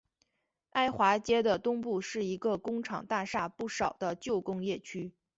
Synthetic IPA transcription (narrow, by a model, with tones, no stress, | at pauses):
a˥ɪxwa˧˥t͡ɕjɛ˥d̪ə˨t̪ʊ˥ŋpu˥˧ʂɻ̩˥˩i˧˥ɡə˧kʊ˥ŋʈ͡ʂʰɑ̰˨˩ŋt̪a˥˧ʂa˥˧pu˥˩ʂɑ˨˩ʊd̪ə˦t͡ɕjo˥˩ʊkʊ˥ŋjɛ˥˩t͡ɕʰy˥